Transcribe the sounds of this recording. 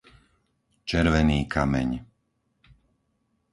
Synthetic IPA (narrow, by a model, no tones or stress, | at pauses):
t͡ʃɛɾʋɛniːkʰamɛ̰ɲ